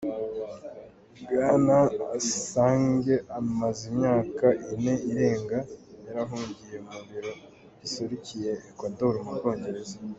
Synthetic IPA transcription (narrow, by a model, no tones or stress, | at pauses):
bɡaːnaa̰saːŋɡe̞ʔamazimɲaːkaʔine̞iɾe̞ːŋɡajaɾaɦuːɲɟije̞umuβiɾo̞ | ɟisuɾicije̞kwadoɾumuɡo̞ːɲɟe̞ɾe̞za